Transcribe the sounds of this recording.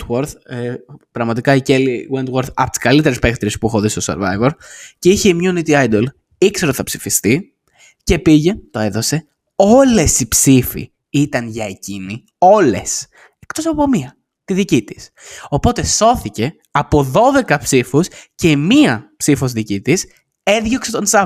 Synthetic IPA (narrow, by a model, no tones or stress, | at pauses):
woɾθ | pɾɐɣmɐt̪ikɐiceliwent̪woɾθɐ̰pot̪i̥skɐlit̪eɾespekt̪ɾiespuixoðist̪o̞se̞̰ɾvɐ̰jve̞ɾceiçeimɲunit̪iajd̪ol | ikseɾo̞t̪i̥θɐpsifist̪i | ce̞piʝe̞t̪o̞e̞ðo̞se̞ | o̞le̞sipsifḭ | it̪ɐnʝɐecini | o̞le̞s | ekt̪o̞sɐpo̞miɐ | t̪iðicit̪i̥s | o̞po̞t̪e̞so̞θice̞ | ɐpo̞ðo̞ðe̞kɐpsifusce̞miɐpsifo̞zðicit̪is | e̞ðʝokse̞t̪o̞nsɐ